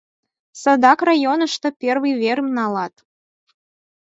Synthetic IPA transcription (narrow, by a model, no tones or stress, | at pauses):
sə̆d̪ɑkrɑjonə̆ʃt̪ɤ̆pʲerβɨjβeɾəmnɑlɑt̪